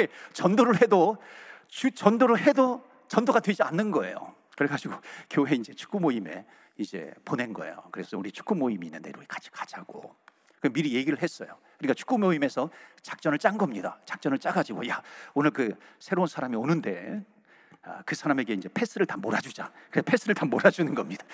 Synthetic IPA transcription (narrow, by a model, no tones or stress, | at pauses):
et͡ɕʌndoɾɯɭhe̞do | t͡ɕut͡ɕʌndoɾɯɭhe̞do | t͡ɕʌndoɡadwe̞d͡ʑianːɯnɡʌe̞̰jo̰ | kɯɾeɡad͡ʑiɡokjoɦe̞ind͡ʑe̞t͡ɕʰu̥k͈umoime̞̰ | id͡ʑe̞̰pone̞nɡʌ̰e̞̰jokɯɾe̞sʰʌuɾit͡ɕʰu̥k͈umoimiːnːɯnde̞ɾokat͡ɕʰi̥kat͡ɕʰaɡ̥o̰ | kɯmiɾije̞ɡiɾɯɭɦes͈ʌ̰jokɯɲik͈at͡ɕʰu̥k͈umoime̞sʰʌt͡ɕḁk̚t͡ɕ͈ʌnɯɭt͡ɕ͈aŋɡʌmɲida̰t͡ɕḁk̚t͡ɕ͈ʌnɯɭt͡ɕ͈aɡad͡ʑiɡojaonɯɭkɯsʰe̞ɾounsʰaɾamionɯnde̞̰ | a̰kɯsʰaɾame̞ɡe̞ind͡ʑe̞pʰe̞s͈ʰɯɾɯɭtamoɾad͡ʑud͡ʑakɯɾesʰpʰe̞s͈ʰɯɾɯɭtamoɾad͡ʑunɯnɡʌmɲid̥ḁ